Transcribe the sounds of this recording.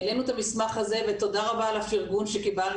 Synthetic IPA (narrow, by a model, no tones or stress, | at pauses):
lenut̪amismaχaze̞vet̪o̞d̪aʁabaːlafiʁɡunʃekibal